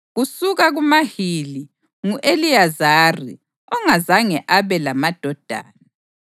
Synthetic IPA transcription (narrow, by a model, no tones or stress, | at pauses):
ɣusuɣaɣumahili | ŋuʔeliazarḭ | ɔŋazaŋɛʔaβɛlamad̥ʱɔd̥ʱa̰ːna